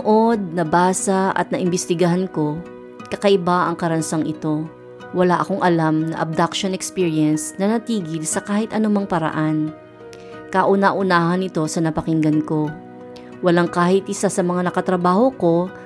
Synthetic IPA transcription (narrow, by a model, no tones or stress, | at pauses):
ʔod̪̚nɐbaːsɐɐ̰t̪nɐʔɪmbɪst̪ɪɡɐɦanko̞ | kɐkɐʔɪbaʔɐŋkɐɾɐnsaŋʔɪt̪o̞ | wɐlaʔɐko̞ŋʔɐlamnɐ̰ʔɐb̚d̪akʃonɛkspiːɹiɐnsnɐnɐt̪iːɡɪlsɐkaːhɪt̪ʔɐnomɐŋpɐɾɐ̰ʔan | kɐʔʊnaʔʊnaːhɐnɪt̪o̞sɐnɐpɐkɪŋɡɐnko̞ | wɐlaŋkaːhɪt̪̚ʔɪsasɐmɐŋanɐkɐt̪ɾɐbaːho̞ko̞